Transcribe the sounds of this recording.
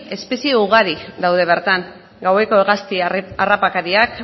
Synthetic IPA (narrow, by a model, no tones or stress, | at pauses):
e̞spe̞sieuɣ̞aɾid̪awðe̞β̞e̞ɾt̪aŋ | ɡawe̞ko̞eɣast̪iarapakaɾiak